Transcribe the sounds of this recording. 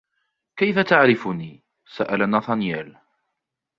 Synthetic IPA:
kajfat̪aʕɾɪfʊniː | saʔalanaːθɑnjɛːl

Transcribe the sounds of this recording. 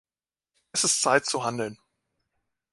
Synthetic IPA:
ʔɛsɪstt͡saɪtt͡suɦandl̩n

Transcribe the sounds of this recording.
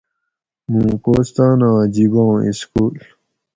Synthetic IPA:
mũːkoːst̪ãːnãːd͡ʑiɡõːḭskuːl

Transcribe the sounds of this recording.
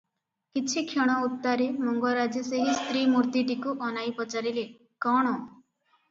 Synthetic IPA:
kit͡ʃʰikʰjeɽ̃ɔut̪ːaɾemɔŋɡɔɾad͡ʒɔseɦist̪ɾimuɾt̪iʈikuʔɔnajpɔt͡ʃaɾile | kɔɽ̃ɔ

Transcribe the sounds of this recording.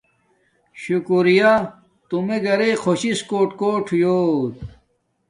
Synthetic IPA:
ɕukuɾija | t̪umeɡɐɾexʰoɕiskoːʈkoːʈʰjoːt̪

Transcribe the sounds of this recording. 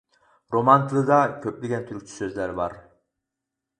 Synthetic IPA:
ɾo̞mant̪ʰɯlˠɯd̪ɑkʲʰøpliɡʲænt̪ʰyɾkʲt͡ʃʰy̥søzlæɾbɑɾ

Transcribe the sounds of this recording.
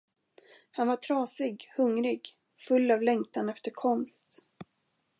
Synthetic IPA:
hanvaʈʰɾɑːsɪɡhɵŋɾɪɡ | fɵlːavlɛŋt̪anɛft̪əɾkʰɔnst̪

